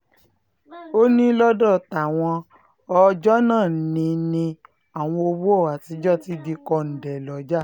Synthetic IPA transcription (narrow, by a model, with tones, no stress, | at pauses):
o˦nĩ˦lɔ˦dɔ˦˨ta˨w̃ɔ̃˧ | ɔ˧d͡ʒɔ˦nãː˦˨˦nĩ˧nĩ˧ | a˨w̃ɔ̃˧o˧wu˦ɔ˦˨wa˨ti˨˦d͡ʒɔ˦˨ti˦di˧kɔ˧n̩˨dɛ˨lɔ˨˦d͡ʒa˦˨